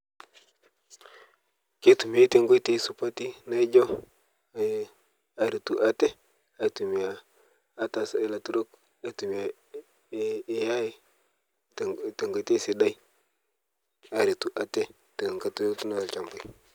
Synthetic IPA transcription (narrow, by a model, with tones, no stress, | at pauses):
ki˦tu˨mi˨a˦te˨ŋɡo˦te˦su˨pa˦ti˦na˦i˦d͡ʒo˦˨˦ | a˨ɾi˨tu˨ʔa˦te˦ | a˨tu˨mi˨jaː˨˦ | ta˨sa˨˦la˨tu˦ɾo˦k | a˨tu˨mi˨a˨ | ja˦j | te˨ŋɡo˨˦te˦si˨da˦i˦ | a˨ɾi˨tu˨ʔa˨te˦ | te˨ŋɡa˦tu˦ɾo˦ktu˦na˦˨lt͡ʃa˨mbu˨i˨